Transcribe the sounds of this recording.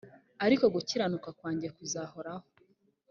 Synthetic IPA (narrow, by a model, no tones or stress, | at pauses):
aɾiko̞ɡuciɾanukakwaːɲɟiɾakuzaːho̞ɾaho